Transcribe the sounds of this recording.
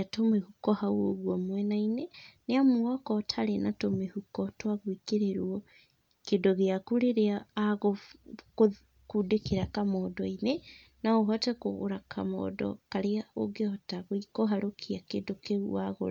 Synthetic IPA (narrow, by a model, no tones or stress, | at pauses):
atomehukɔhauoɣwɔmwɛnaineneamoakɔtʰaɾenatomehukɔtwaɣwikeɾeɾwɔ | kedoɣeakuɾeɾeaːɣoko | kudekeɾakamɔːdɔine | naoɦatɛko̰ɣo̰ɾakʰamɔ̰dɔ̰kaɾeaoɡeɔtaɣoikoɦaɾokʰiakedokḛa̰ɣo̰ɾ